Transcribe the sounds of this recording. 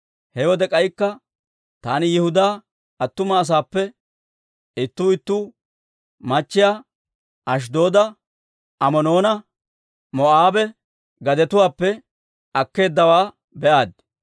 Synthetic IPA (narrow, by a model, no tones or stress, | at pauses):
hɛwɔd̪ɛkʼɐjkːɐ | t̪aːnɪjɪhʊd̪aː | ɐt̪ːʊmɐːs̬aːpːɛ | ɪt̪ːuːɪt̪ːuː | mɐt͡ʃːɪjaː | ɐʃ̬d̪o̞ːd̪ɐ | ɐmɔno̞ːnɐ | mɔʔaːbɛ | ɡɐd̪ɛt̪ʊwaːpːɛ | ɐkːe̞ːd̪ːɐwaː | bɛʔaːd̪̚